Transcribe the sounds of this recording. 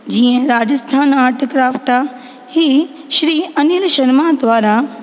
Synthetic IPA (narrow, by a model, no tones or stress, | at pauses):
d͡ʑiːə̃ɾaːd͡ʑəst̪ʰaːnaːɾʈʰkɾaːfʈaː | hiː | ʃɾiːɐnilʃɐɾmad̪ʋaːɾa